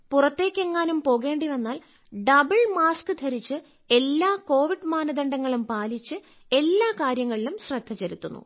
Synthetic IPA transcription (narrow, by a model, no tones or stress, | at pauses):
purɐt̪ːe̞ːkʲːe̞ŋːaːnumpo̞ːɣe̞ːɳɖiʋenːaːl | ɖɐbɐɭmaːskɨd̪ʱɐɾit͡ɕːɨ | e̞lːaːko̞ːʋiɖmaːnɐðɐɳɖɐŋːɐɭumpaːlit͡ɕːɨ | e̞lːaːkaːɾjɐŋːɐɭilumɕrɐd̪ʱːɐt͡ɕeɾut̪ːunːṵ